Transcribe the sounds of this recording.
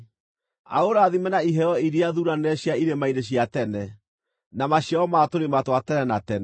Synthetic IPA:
a̰oɾaðimɛnaiɦɛɔiɾiaðuɾanɛɕjaiɾemaideɕiatɛnɛ | namaɕjaɔmatoɾematwatɛnɛnatɛnɛ

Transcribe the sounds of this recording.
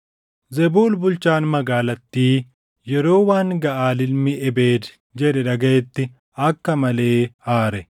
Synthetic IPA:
zɛbuːlbʊlt͡ʃaːnmɐɡaːlɐt̪ːiː | jɛɾo̞ːwaːŋɡɐʔaːlɪlmɪʔɛbe̞ːd̪ | d͡ʒɛᶑɛᶑɐɡeːt̪ːɪ | ɐkːɐmɐle̞ːhaːɾɛ

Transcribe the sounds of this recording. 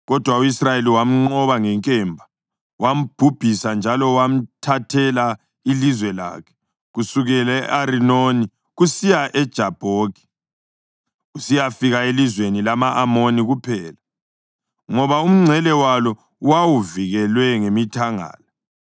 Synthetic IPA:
ɣɔd̥ʱwauisrajeliwam̩ŋ͡ǃɔβaŋɛŋkʼɛmbʱa | wam̩b̥ʱub̥ʱisand͡ʒʱalɔwam̩tʰatʰɛla | ilizwɛla̰ːkʰɛ̥ | ɣusuɣɛlɛʔaɾinoni | ɣusijaʔɛd̥ʒ̥ʱab̥ʱoːki̥ | ɣusijafiɣaelizwenilamaʔamoniɣupʰɛːla | ŋɔβaum̩ŋ͡ǀʱɛlɛwalɔ | wawuviɣɛlwɛŋemitʰaŋa̰ːla

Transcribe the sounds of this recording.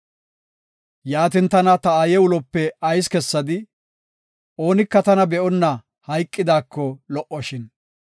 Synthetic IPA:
jaːt̪̬ɪnt̪ɐnɐt̪ɐaːjɛʊlɔpːɛɐjskɛsːɐd̪ɪ | o̞ːnɪkːɐt̪ɐnɐbɛʔɔnːɐ | hɐjkʼːɪd̪aːkːɔlɔʔɔʃɪn

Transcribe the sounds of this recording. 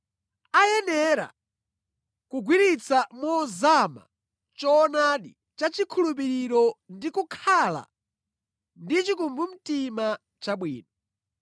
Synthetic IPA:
ajɛnɛɾa̰ | kuɡwiɾit͡samɔzama̰ | t͡ʃɔːnaɗi | t͡ʃat͡ʃikʰulup̬iɾiɾɔndikukʰala̰ | ndit͡ʃikumbum̩tima | t͡ʃaɓwḭːna

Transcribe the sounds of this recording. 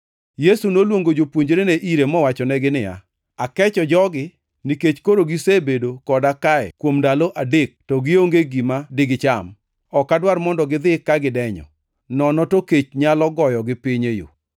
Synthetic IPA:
jesunolwoŋɡod͡ʒopwoɲd͡ʒɾeneʔiɾemɔwat͡ʃɔnɛɡɪnɪja̰ | akɛt͡ʃɔd͡ʒɔɡɪ | niket͡ʃkoɾoɡisebedokɔdakaɛ̰kwomndaloʔadek̚tɔɡɪoŋɡeɡimadɪɡɪt͡ʃam | ɔkːadwarmɔndɔɡɪd̪ɪkːaɡɪdɛɲɔ̰ | nɔnɔtoket͡ʃɲalɔɡɔjɔɡɪpɪɲejo̰

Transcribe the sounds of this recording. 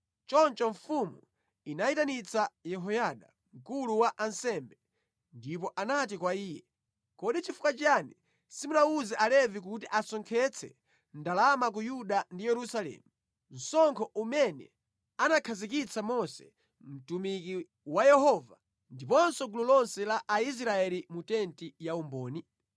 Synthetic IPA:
t͡ʃɔnt͡ʃɔɱfumu | inaitanit͡sajɛɦɔjaɗa̰ | ŋkuluwaʔansɛmbɛ | ndip̬ɔʔanat̬ikwaiːjɛ̰ | kɔɗit͡ʃifu̥kwat͡ʃani | simunauzɛʔalɛvik̬utiʔasɔŋkʰɛt͡sʰɛ̰ | ndalamak̬ujuɗandijɛɾusalɛ̰ːmu | n̩sɔŋkʰɔʔumɛnɛ̰ | anakʰazik̬it͡sʰamɔsɛ̰ | m̩tumiki | wajɛhɔva | ndipɔnsɔɡululɔnsɛlaʔais̬ɾaɛlimutɛntijaumbɔːni

